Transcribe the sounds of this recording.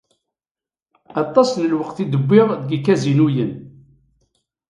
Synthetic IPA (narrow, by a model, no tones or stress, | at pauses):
ɑt̪ˤːɑsnəlwəqθid̪əbːɪʁðɡikːæzinujən